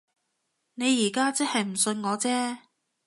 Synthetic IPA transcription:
ne˨˧jiː˨˩kaː˥t͡sɐ˥t̚hɐ˨jm̩˨˩sɵ˧nŋɔː˨˧t͡sɛː˥

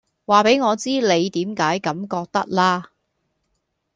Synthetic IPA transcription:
waː˨˩pe˨˥jŋɔː˨˧t͡siː˥le˨˧jt̪iː˨˥mkaː˨˥jkɐ˨˥mkɔː˧k̚t̪ɐ˥k̚laː˥

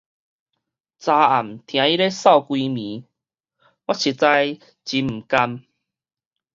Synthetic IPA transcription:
t͡sa˧a˨˩mt̪ʰj̃ã˧˦i˦ɾe˦sa˥˧˨ʊkwi˧mĩ˨˦ | wa˦˥t͡ɕʰi˨˧t͡sa˧j | t͡ɕi˨˦m̩˨˩ka˧m

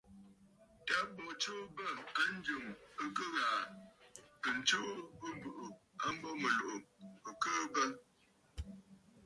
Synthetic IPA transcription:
ta˨˦bɔ˨t͡ʃoː˦bə˦˨a˦n̩˦d͡ʒə˨mə˦kə˦ɣaː˨ | pə˨n̩˨t͡ʃoː˦bə˦m˦bɨ˨ʔo˨a˦m̩˦bɔ˦mə˨lo˨ʔo˨ə˨kəː˦bə˦

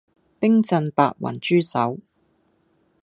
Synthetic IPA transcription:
pɪ˥ŋt͡sɐ˧npa̰ː˧t̚wɐ̰˨˩nt͡ʃyː˥sɐ˨˥w

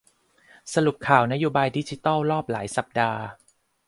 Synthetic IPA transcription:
sa˧ɾu˨˩p̚kʰaː˨˩wna˦˥joː˧baː˧jdi˦˥t͡ɕi˧˦t̪ɑː˥˩wɾɔː˥˩p̚laː˩˦jsa˨˩p̚daː˧

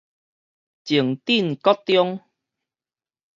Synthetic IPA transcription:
t͡ɕi˨˩əŋt̪i˥˨nkɔ˦t̪jɔ˦ŋ

